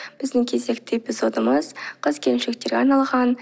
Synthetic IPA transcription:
b̥ɪzd̪ɪŋkʲʰe̞ze̞kt̪ʰepɪsot̪əməzqʰəzkʲʰe̞lɪmʃek̚t̪e̞ɾɡʲeɑɾnɑlˠʁɑn

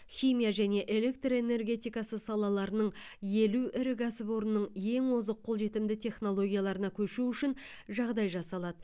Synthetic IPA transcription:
χʲijmʲijaʒæne̞ʔe̞le̞k̚t̪roe̞ne̞rɡʲe̞t̪ijkɑsəsɑlˠɑlˠɑɾənəɴje̞luʔɪɾɪɡɑsɪbo̞ɾnːəɴje̞ŋwozəqʰːo̞lˠʒe̞t̪ɪmd̪ɪt̪ʰʲe̞χno̞lˠo̞ɡʲijalˠɑɾənɑkʲʰɵʃuʏʃɪnʒɑʁd̪ɑjʒɑsɑlˠɑd̪ə

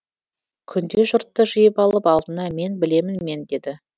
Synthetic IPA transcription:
kʲʰʏnd̪e̞ʒʊɾt̪ːəʒəjəpɑlˠəpɑlˠd̪ənɑme̞nbɪle̞mɪnme̞nd̪e̞d̪ɪ

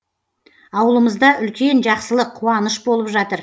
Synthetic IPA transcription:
ɑwəlˠəməzd̪ɑʔʏlkʲe̞nʒɑqsəlˠəqʰːuɑnəʃbo̞lˠəpʒɑt̪əɾ

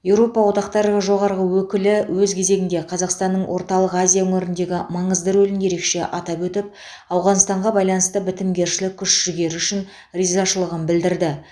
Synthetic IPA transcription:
je̞wɾo̞pɑwo̞t̪ɑqt̪ɑɾəʁəʒo̞ʁɑɾʁəwɵkʲɪlɪwɵzkʲʰe̞ze̞ɡʲɪnd̪e̞qʰɑzɑqst̪ɑnːəɴwʔo̞ɾt̪ɑlˠəqazʲijaɵŋɪɾɪnd̪e̞ɡʲɪmɑɴəzd̪əɾɵlɪne̞ɾe̞kʃe̞ʔɑt̪ɑpwɵt̪ɪp̚ | ɑwʁɑnst̪ɑɴʁɑbɑjlˠɑnəst̪əbɪt̪ɪmɡʲe̞ɾʃɪlɪkʲʰːʏʃʒ̥ɪɡʲe̞ɾʏʃɪn | rizɑʃəlˠəʁənbɪld̪ɪɾd̪ɪ

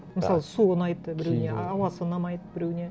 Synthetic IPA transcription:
məsɑlˠəsunɑjt̪ːəbɪɾewneɑwɑsənːɑmɑjt̪ə̥pbɪɾuwnʲe

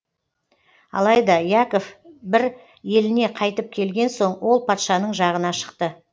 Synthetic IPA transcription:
ɑ̰lˠɑjd̪ɑjako̞fbɪɾ | je̞lɪne̞qʰɑjt̪əp̚kʲʰe̞lɡʲe̞nso̞ɴwo̞lˠpʰɑt̪ʃɑnəɴʒɑʁənɑʃə̥qt̪ə

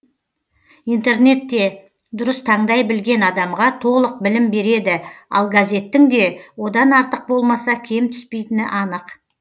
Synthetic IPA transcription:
ijnt̪e̞ɾne̞t̪ːe̞ | d̪ʊɾəst̪ʰɑɴd̪ɑjbɪlɡʲe̞nɑd̪ɑmʁɑt̪ʰo̞lˠəq̚bɪlɪmbe̞ɾe̞d̪ɪɑ̰lˠɡazʲe̞t̪ːɪŋd̪e̞wo̞d̪ɑnɑɾt̪əq̚bo̞lˠmɑsɑkʲʰe̞mt̪ʰʏ̥spe̞jt̪ɪnɪʔɑnəq

